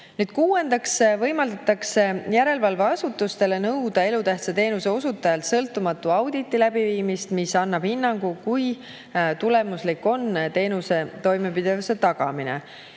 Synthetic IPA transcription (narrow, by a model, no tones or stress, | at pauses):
nyːd̪̥̚kuːe̞nd̪̥ɑksvɤ̞jmɑld̪ɑt̪ːˑɑksejæɾe̞lvɑlvɑɑsut̪ːust̪e̞le̞nɤwd̪̥ɑe̞lut̪æht̪sɑt̪e̞ːnuse̞o̞sut̪ːˑɑjɑlt̪sɤlt̪ːˑumɑt̪ːˑuɑwd̪̥it̪ːˑilæb̥iviːmist̪misɑnːɑb̥hinːɑŋɡ̥ukuj | t̪ule̞muslikːo̞nt̪e̞ːnuse̞t̪o̞jme̞pid̪̥e̞vuse̞t̪ɑɡ̥ɑ̰minḛ